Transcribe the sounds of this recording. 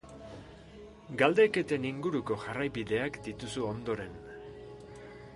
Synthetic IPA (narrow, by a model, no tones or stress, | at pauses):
ɡald̪eke̞t̪e̞niŋɡuɾuko̞ʝarajβiðe̞akd̪it̪usuo̞nd̪o̞ɾe̞n